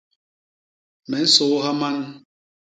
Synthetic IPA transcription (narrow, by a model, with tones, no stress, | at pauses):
mɛ˨n̩˦so˨˦ɦa˦ma˦n˦